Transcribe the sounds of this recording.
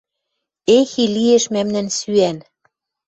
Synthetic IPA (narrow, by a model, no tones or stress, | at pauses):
exilieʃmæmnænsyæn